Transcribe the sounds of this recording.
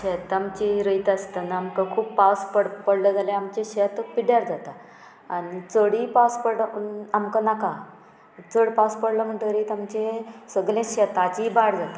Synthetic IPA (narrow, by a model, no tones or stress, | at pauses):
ɕet̪amt͡ɕiɾəjt̪ast̪ənaamkakʰuːpːaspəɽpəɽləd͡zalẽamt͡ɕẽɕet̪piɽjaɾd͡zat̪a | aɽit͡səɽipaspəɽamkanaka | t͡səɽpaspəɽləm̤əɳʈəɾit̪amt͡ɕesəɡlẽɕet̪at͡ɕibaɽd͡zat̪a